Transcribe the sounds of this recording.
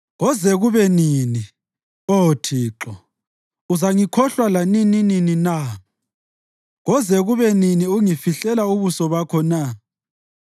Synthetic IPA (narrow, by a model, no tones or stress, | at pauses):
ɣɔzɛɣuβɛnini | otʰiːǁɔ | uzaŋikʰɔɬwalaninininina | ɣɔzɛɣuβɛniniuŋifiɬɛlauβusɔβakʰɔna